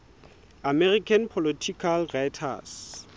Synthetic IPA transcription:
amɛrikʰanpʰɔlitʰikʰalrajtʰa̰s

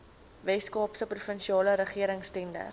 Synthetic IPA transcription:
vɛskɑːpsəprufənʃiɑːləɾəχiəɾəŋstɛndə̰r

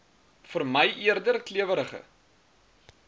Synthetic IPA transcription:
fərməjʔiərdərkliəvəɾəχə̰

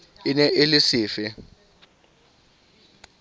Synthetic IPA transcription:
ɪnɛʔɪlɪsɪːfɪ

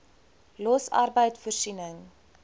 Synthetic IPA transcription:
lɔsɐ̰rbəjtfɔrsinəŋ

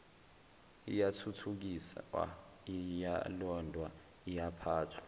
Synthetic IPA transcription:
ijatʰutʰuk̬isa̰a̰ | ijalɔndʱwa | ijapʰaːtʰwḁ

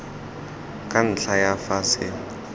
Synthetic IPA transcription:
kʼan̩ɬajafasɪ

